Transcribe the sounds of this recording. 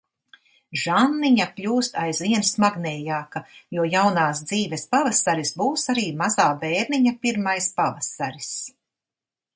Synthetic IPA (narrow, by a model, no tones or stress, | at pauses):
ʒanːiɲapʎʲuːst̪ajzviɛnsmaɡnɛːjaːkajuɔjawnaːsd̪ziːvɛspavasaɾisbuːsaɾiːmazaːvɛːɾniɲapiɾmajspavasaɾis